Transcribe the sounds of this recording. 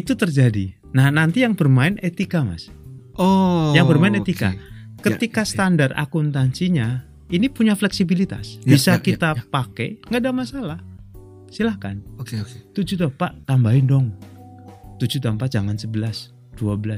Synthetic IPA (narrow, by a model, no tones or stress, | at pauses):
it̪ut̪ərd͡ʒadḭ | nahnant̪ijaŋbərmaɪnʔet̪ikama̰s | jaŋbərmaɪnet̪ika̰kət̪ikast̪andara̰kunt̪aɲt͡ʃiɲa | inipuɲaflɛksibilit̪a̰sbisakit̪apakɛ̰ŋɡadamasalah | silahka̰n | t̪ud͡ʒut̪ampaʔt̪ambaɪndɔŋ | t̪ud͡ʒut̪ampad͡ʒamansəbəlas | d̥uabəla